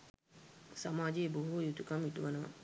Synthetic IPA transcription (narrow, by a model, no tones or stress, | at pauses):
samaːd͡ʒeːboɦuʋjut̪ukamiʈuʋanəʋa̰